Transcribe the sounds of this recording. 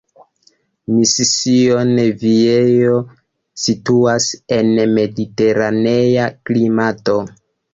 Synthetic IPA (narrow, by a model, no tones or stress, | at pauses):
misisio̞neviejo̞ | situase̞nme̞dite̞ɾane̞jaklimato̞